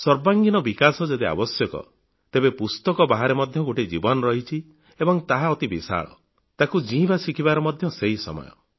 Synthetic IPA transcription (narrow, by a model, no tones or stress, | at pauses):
sɔɾbaŋɡinɔbikasɔd͡ʒɔd̪ia̰bɔsjɔkɔ̰ | t̪ebepust̪ɔkɔbaɦaɾemɔd̪ʱjɔɡoʈid͡ʒibɔnɔɾɔɦit͡ʃʰi | ebɔŋt̪aɦaɔt̪ibisa̰ɭɔ̰ | t̪akud͡ʒĩbasikʰibaɾɔmɔd̪ʱjɔseɦisɔ̰mɔ̰jɔ̰